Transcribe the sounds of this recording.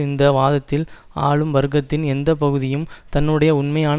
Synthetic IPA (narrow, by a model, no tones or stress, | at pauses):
ɪnd̪ɐʋaːðɐt̪ːɪl | aːɭɯmʋɐɾɣɐt̪ːɪnɛnd̪ɐpɐɣɯðɪjɯmt̪ɐnːɯɽɐjɐʊɳmɐjaːn